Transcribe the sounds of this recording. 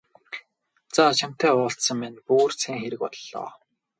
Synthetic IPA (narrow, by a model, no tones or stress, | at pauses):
t͡sat͡ɕʰam̥t̪æːʊːɬt̪sə̆ŋmænpuːrt͡sʰæːŋxeɾɘ̆kpɔ̰t̪ɮːɔ̰ː